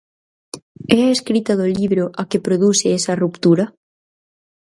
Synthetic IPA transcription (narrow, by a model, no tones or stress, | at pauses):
ɛaeskɾit̪aðoliβɾoʔakepɾoðuseɛsarupt̪uɾa